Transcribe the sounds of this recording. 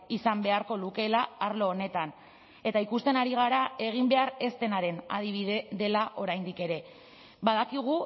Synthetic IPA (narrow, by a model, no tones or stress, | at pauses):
isambe̞aɾko̞luke̞laːɾlo̞ːne̞t̪an | e̞t̪aikust̪e̞naɾiɣ̞aɾae̞ɣ̞imbe̞aɾe̞st̪e̞naɾe̞na̰ð̞iβ̞iðe̞ðe̞laʔo̞ɾajnd̪ike̞ɾe̞ | βaðakiɣ̞u